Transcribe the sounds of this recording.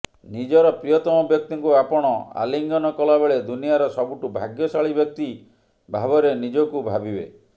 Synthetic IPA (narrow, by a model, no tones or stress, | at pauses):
nid͡ʒɔɾɔpɾijɔt̪ɔmɔbjɔk̚t̪iŋkuapɔɽ̃ɔa̰liŋɡɔnɔkɔlabeɭed̪unijaɾɔsɔbuʈubʱaɡjɔsaɭibjɔk̚t̪i | bʱabɔɾenid͡ʒɔkubʱabibḛ